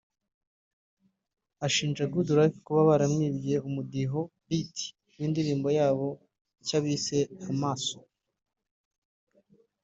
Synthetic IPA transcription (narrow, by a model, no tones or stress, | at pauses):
aʃiːnd͡ʒaɡuduɾakkuβaβaɾamŋiːβijeumudiɦo̞biti̥ | wiːndiɾiːmbo̞jaːβo̞ | icaβise̞amaːso